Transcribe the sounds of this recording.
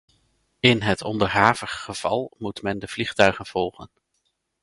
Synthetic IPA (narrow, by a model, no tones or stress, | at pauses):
ɪnɦətʰɔndəɹɦaːvəχːəv̥ɑ̰lˠmutmɛndəv̥liχtœɥχənv̥ɔlˠχən